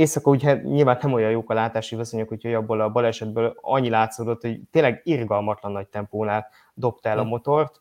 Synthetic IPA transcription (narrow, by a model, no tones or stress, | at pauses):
eːsɒkɒuɟɛɲilvaːnːɛmojɒjoːkɒlaːt̪aːʃiviso̞ɲokhocʰo̞jɒbːolɒbɒlɛʃɛd̪̚bøːlɒ̰ɲːilaːt̪soːd̪o̞t̪ho̞ɟt̪eːnlɛɡirɡɒlmɒt̪lɒnːɒc̚t̪ɛmpoːnaːl | d̪o̞p̚t̪ɛlɒmo̞t̪o̞rt̪